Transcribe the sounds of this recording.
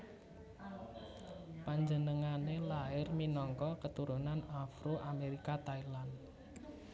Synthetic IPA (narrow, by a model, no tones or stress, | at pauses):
paɲd͡ʒənəŋanelaɪrminɔŋkɔkət̪uɾunanafɾuʔameɾikat̪ailan